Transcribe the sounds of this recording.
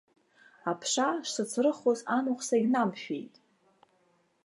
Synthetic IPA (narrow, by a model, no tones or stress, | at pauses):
apʰʂaʂsɨt͡sʰrɨχozanuχsaɡʲnamʃᶣe̞̰jtʼ